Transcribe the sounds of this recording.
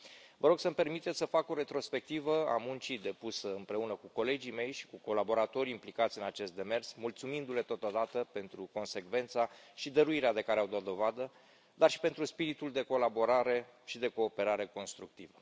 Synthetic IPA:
vəɾo̞ɡsəmpe̞rmit̪e̞t̪sʲsəfako̞ɾe̞t̪ɾo̞spe̞k̚t̪ivəa̰munt͡ʃid̪e̞pusəɨmpɾe̞unəkuko̞le̞d͡ʒime̞jʃi̥kuko̞labo̞ɾat̪o̞ɾʲimplikat̪sʲɨnat͡ʃe̞st̪d̪e̞me̞rsmult̪sumind̪ule̞t̪o̞t̪od̪at̪əpe̞nt̪ɾuko̞nse̞kve̞nt̪saʃid̪əɾuiɾead̪e̞kaɾeawd̪oat̪̚d̪o̞vad̪ə | d̪arʃi̥pe̞nt̪ɾuspiɾit̪uld̪e̞ko̞labo̞ɾaɾe̞ʃid̪e̞ko̞ːpe̞ɾaɾe̞ko̞nst̪ɾuk̚t̪ivə

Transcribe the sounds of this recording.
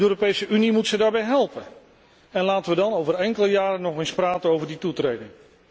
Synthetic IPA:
øːɾopejsəʔynimutsədaːɹbɛjɦɛlˠpən | ɛnlaːtəʋədɑnowvərɛŋkələjaːɾənɔχɪnspraːtənowvəɹditutrejdɪŋ

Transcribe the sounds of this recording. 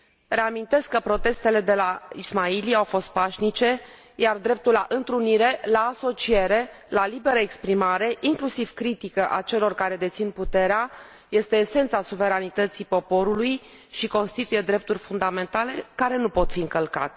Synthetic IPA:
re̞amint̪e̞skːəpɾo̞t̪e̞st̪e̞le̞d̪e̞laismailiaawfo̞st̪̚paʃnit͡ʃe̞ | jard̪ɾe̞p̚t̪ulaʔɨnt̪ɾuniɾe̞laːso̞t͡ʃie̞ɾe̞ | lalibe̞ɾəekspɾimaɾe̞ʔiŋklusiv̥kɾit̪ikəʔat͡ʃe̞lo̞rkaɾe̞d̪e̞t̪sinput̪e̞ɾea | je̞st̪e̞ːse̞nt̪sasuve̞ɾanit̪ət̪sipo̞po̞ɾuluj | ʃiko̞nst̪it̪uje̞d̪ɾe̞p̚t̪urʲfund̪ame̞nt̪ale̞kaɾe̞nupo̞t̪fiɨŋkəlka̰t̪e̥

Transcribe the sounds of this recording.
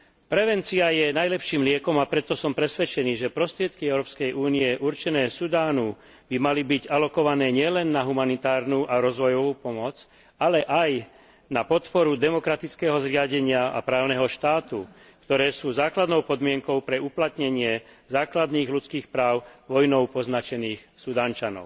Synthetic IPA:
pɾɛʋɛnt͡siajɛnajlɛpʃiːmlɪɛkɔmapɾɛt̪ɔsɔmpɾɛsʋɛt͡ʃɛniːʒɛpɾɔst̪ɾɪɛt̪kiɛʊɾɔːpskɛjʔuːniɛʔuɾt͡ʃɛnɛːsud̪aːnu | b̥imalibiɟalɔkɔʋanɛːɲɪɛlɛnːaɦumanit̪aːɾnuːʔaɾɔzʋɔjɔʋuːpɔmɔt͡s | alɛʔaj | napɔt̪pɔɾud̪ɛmɔkɾat̪it͡skɛːɦɔzɾɪaɟɛɲɪaa̰pɾaːʊnɛɦɔʃt̪aːt̪u | kt̪ɔɾɛːsuːzaːklad̪nɔʊpɔd̪mɪɛŋkɔʊpɾɛuplat̪ɲɛɲɪɛzaːklad̪niːɣlut͡skiːxpɾaːʊʋɔjnɔʊpɔznat͡ʃɛniːxsud̪aːnt͡ʃanɔ̰ʊ

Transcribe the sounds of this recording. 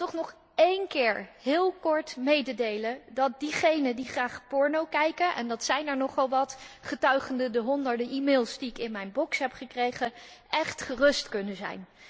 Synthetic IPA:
tɔχnɔχ | ejnkɪːɹɦɪːlˠkɔɹtmejdədejlədɑt̚diχejnədiχraːχpɔɹnowkɛjkənʔɛ̰ndɑtsɛjnɛɹnɔχɑlˠʋɑtχətœɥχəndədəɦɔndəɹdəʔimeːlˠsdiɪkɪnmɛjnbɔksɦɛpχəkrejχə | ʔɛχtχərɵstkɵnəzɛ̰jn

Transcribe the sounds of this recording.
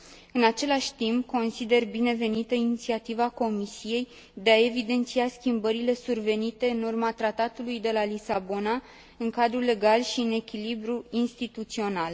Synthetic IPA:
ɨnat͡ʃe̞laʃʲt̪imp̚ko̞nsid̪e̞rbine̞ve̞nit̪əinit̪siat̪ivako̞misije̞j | d̪e̞ae̞vid̪e̞nt̪siaskʲimbəɾile̞surve̞nit̪e̞ɨnurmat̪ɾat̪at̪ulujd̪e̞lalisabo̞na | ɨŋkad̪ɾule̞ɡalʃiɨne̞kʲilibɾuinst̪it̪ut̪sio̞nal

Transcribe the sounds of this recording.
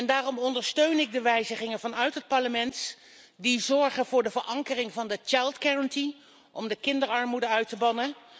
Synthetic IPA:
ɛndaːrɔmɔndəɹstøɥnɪɡ̚dəʋɛjzəχɪŋənvɑnœɥtɦət̚pɑɹləmɛnt | dizɔɹχənvʊːɹdəvəɹʔɑŋkərɪŋvɑndət͡ʃajlˠtɡɛɹənti | ʔɔmdəkɪndəɹɑɹmudəœɥtəbɑnə

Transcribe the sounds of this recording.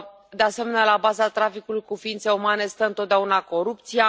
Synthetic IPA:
d̪e̞ase̞me̞nalabazat̪ɾafikulujkufiint̪se̞umane̞st̪əɨnt̪ot̪̚d̪eaunako̞ɾup̚t̪sija

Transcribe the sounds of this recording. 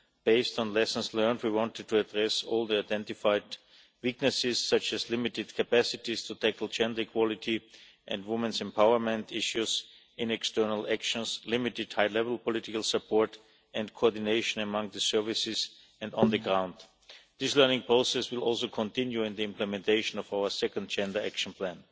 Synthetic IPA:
b̥eɪstɔ̃nlɛsn̩slɜ̃˞ndwiwɑ̃ntɨd̚tʰuədɹɛsɔːlˠd̪iaɪdɛ̃ntɪfaɪd | wɪknɨsɪssʌt͡ʃɨslɪmɪtɨd̚kʰapæsɪtistʰutʰækl̩ˠd͡ʒɛ̃ndə˞ikʰwɔlɪti | ʔɛ̃ndwʊmə̃nsɛ̃mpʰaʊə˞mɛ̃ntɪʃjuz | ɪ̃nɛkstɜ˞nəl̩ˠækʃə̃nslɪmɪtɪd̥haɪlɛvl̩ˠpɔlɪtɪkəlˠsəpʰɔɹt | ɛ̃ndkʰoɔdɪneɪʃə̃nəmʌ̃ŋðəsɜ˞vɪsɪs | ɛ̃ndɔ̃nðəɡɹãʊ̃nd | ðɪslɜ˞nɪ̃ŋpɹoʊsɛswɪlˠɔlˠsoʊkʰɔ̃ntɪ̃njuɪ̃nðiɪ̃mplɛmɛ̃ntʰeɪʃɔ̃nɔvaʊə˞sɛkə̃nd̚d͡ʒɛ̃ndə˞ækʃə̃npʰlæ̃n

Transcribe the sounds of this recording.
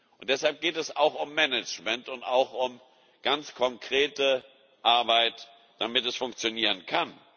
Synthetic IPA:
ʔʊntd̥ɛshalp̚ɡ̥eːtɛsaʊxʊmːɛnɪt͡ʃmɛntʊnta̰ʊxʊm | ɡ̥ant͡skʰɔŋkʁ̥eːtə | ʔaɐbaɪt | d̥amɪtɛsfʊŋk̚t͡sjoniːʁ̞ənkʰan

